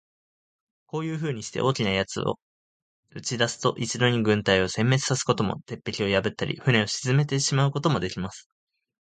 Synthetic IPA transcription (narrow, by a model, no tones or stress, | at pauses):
ko̞ːjɯ̟ːɸɯ̟ːɲ̟iɕi̥t̪e̞̰ʔo̞ːkʲinajat͡sɨ̰o̰ | ɯ̟t͡ɕid̪asɨ̥t̪o̞ʔit͡ɕid̪o̞ɲ̟iɡɯ̟̃nt̪aio̞sẽ̞mːe̞t͡sɨ̥sasɨ̥ko̞t̪o̞mo̞̰t̪e̞pːe̞kʲio̞jabɯ̟t̪ːaɾʲʔḭɸɯ̟ne̞o̞ɕizɨme̞t̪e̞ɕimaɯ̟ko̞t̪o̞mo̞d̪e̞kʲimasɨ̥